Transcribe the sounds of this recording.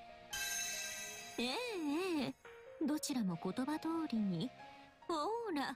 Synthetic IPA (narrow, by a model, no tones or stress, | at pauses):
eeː | d̪o̞t͡ɕiɾamo̞ko̞t̪o̞bat̪o̞ːɾʲiɲ̟i | hoːɾa